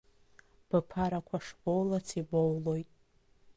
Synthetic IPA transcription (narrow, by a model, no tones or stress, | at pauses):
b̥ɨpʰaɾakʷʰaʂbowlat͡sʰibowlo̞jtʼ